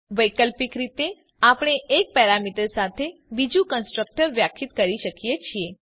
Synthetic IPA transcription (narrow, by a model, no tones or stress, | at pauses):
ʋəjkəlpikɾit̪e | apɽ̃eʔːk̚pɛɾamiʈəɾsat̪ʰebid͡ʒũkənsʈɾək̚ʈəɾʋjakʰit̪kəɾiʃəkijet͡ʃʰie